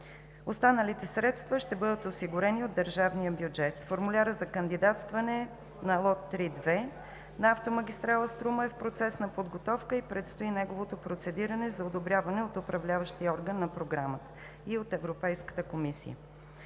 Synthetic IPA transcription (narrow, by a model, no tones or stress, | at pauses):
ost̪anəlit̪ɛsɾɛt̪st̪vəʃt̪ɛbɤd̪ət̪osiɡʊɾɛniod̪ːəɾʒavnijəbjud͡ʒɛt̪foɾmulʲaɾəzɐkənd̪id̪at̪st̪vɐnɛ | nɐlˠɔt̪ːɾid̪vɛ | nɐaft̪omɐɡ̟ʲist̪ɾalˠəst̪ɾuməɛfpɾot̪sɛsnɐpod̪ɡot̪ɔfkəipɾɛt̪st̪oinɛɡovot̪opɾot̪sɛd̪iɾɐnɛzɐod̪obɾʲavɐnɛot̪ʊpɾɐvlʲavəʃt̪iɔɾɡənːɐpɾoɡɾamət̪ə̥ | iot̪ɛvɾopɛjskə̥t̪əkomisḭjə̰